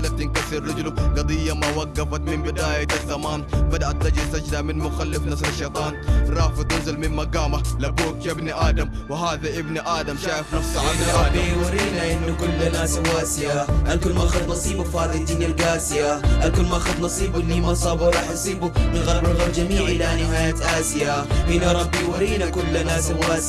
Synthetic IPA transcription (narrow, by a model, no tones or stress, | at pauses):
lat̪ːɪnkasiɾːɑd͡ʒluɡɑd̪ˤijːamawaɡːafat̪mɪmbɪd̪aːjaazːamaːnbad̪aʔat̪ːɑd͡ʒɪlt̪ad͡ʒd̪amɪnmʊxalːɪfnasaʃːeːt̪ˤɑːnɾˤɑːfɪɪnzalmɪnmaɡaːmalabuːkjabnʔaːd̪am | wɪɦaːðaʔɪbnʔaːd̪amʃaːjɪfnɑfsˤaabiwaɾiːnaʔɪnːʊkʊlːanaːswaːsɪʔaʔalkʊlmaʔxad̪ˤnɑsˤiːbufaːðˤid̪inalɡaːsɪjaʔalkʊlmaʔxʊd̪nɑsˤiːbunːiːmɑsˤɑːbuwɾˤɑːħʔɑsˤiːbumɪnɣɑɾˤbɪlɣɑɾˤbd͡ʒamiːʕʔɪlanɪɦaːjat̪ʔaːsɪjaʔɪnːaɾˤɑbːiwaɾiːnakʊlːanaːswaːs